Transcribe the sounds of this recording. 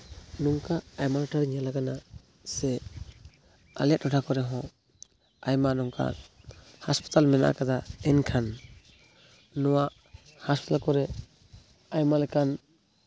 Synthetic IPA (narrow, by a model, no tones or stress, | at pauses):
nɔŋkaːjmalɔʈʰaɾɛɲalaɡana | sɛ | a̰lɛt̚ɾɔʈʰakɔɾɛɦɔ̃ | ajmanɔŋka̰ | haspi̥t̪almɛna̰ʔa̰kad̪aɛnkʰan | ɔwaʔ | haspi̥t̪alkɔɾɛ | ajmalakan